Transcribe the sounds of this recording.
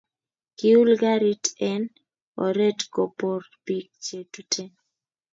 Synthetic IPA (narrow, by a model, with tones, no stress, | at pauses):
ki˦u˦lɡa˦ɾi˦tɛ˦n | ɔ̰˨ɾe˦tko˨po˨rpi˨k̚t͡ʃe˨tu˨tʰe˦